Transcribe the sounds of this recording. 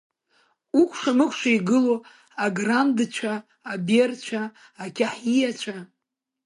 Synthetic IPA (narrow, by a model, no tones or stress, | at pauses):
ukʷʰʂamɨχʷʰʂaiɡɨlo | aɡrandt͡ʃʷʰaː | bert͡ʃʷʰaː | kʲʰaħijat͡ʃʷʰa